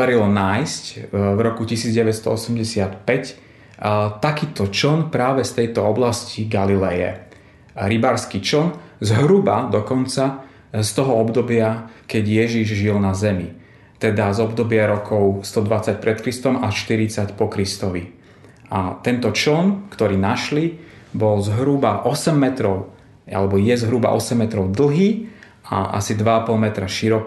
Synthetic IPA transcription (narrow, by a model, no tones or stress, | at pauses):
aɾilɔnaːjscvɾɔkucisiːd͡zɟɛʋɛt̪st̪ɔ̰ɔsɛmɟɛsɪat̪pɛc | t̪akiːt̪ɔt͡ʃɔnpɾaːʋɛst̪ɛjt̪ɔɔblasciɡalilɛjɛ̰ | ɾibaːɾskit͡ʃɔnzɦɾubad̪ɔkɔnt͡sa | st̪ɔɦɔɔbd̪ɔbɪakɛɟjɛʒiʒʒilnazɛmi | t̪ɛd̪azɔbd̪ɔbɪaɾɔkɔʊst̪ɔd̪ʋat͡sac̚pɾɛt̪kɾist̪ɔmaʃt̪iɾit͡sacpɔkɾist̪ɔʋi | ʔat̪ɛnt̪ɔt͡ʃl̩nkt̪ɔɾiːnaʃli | bɔlzɦɾubaʔɔsɛmːɛt̪ɾɔʊ | a̰lɛbɔjɛzɦɾuba̰ʔɔ̰sɛmːɛt̪ɾɔʊd̪l̩ˠɦiː | a̰ʔa̰sid̪ʋaapɔlmɛt̪ɾaʃiɾɔk